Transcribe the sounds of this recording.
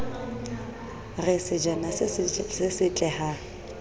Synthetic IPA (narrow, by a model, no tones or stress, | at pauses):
rɪsɪd͡ʒanasɪsɪsɪt͡ɬʼɛha